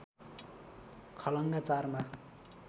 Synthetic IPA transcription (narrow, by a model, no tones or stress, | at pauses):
kʰʌlʌŋɡat͡sarma